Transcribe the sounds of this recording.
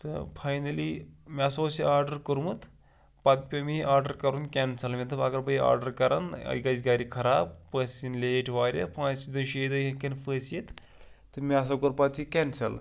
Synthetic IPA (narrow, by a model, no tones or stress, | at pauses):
sɨ̰pʰaːjnɐlimʲɐsoːsiaːɾɖɐɾkəɾmut̪ | pɐt̪̚pʲɐmiʔaːɾɖəɾkɐɾunkʲɛnsɐlmʲet̪ʰɐbɐɡɐɾbɐia̰ːɾɖɐɾkɐɾɐ̰nɐ̰ɡɐd͡ʒɡaːɾikʰɐɾaːb̚pəːsinleʈʰʋaːɾʲɐ̰pãːt͡ʃid̪ɐnʃeːd̪ɐɦɐ̃kɐnfəːsjet̪ | t̪ɨmiɐs̬ɐkuɾpɐt̪ikʲɛnsɐl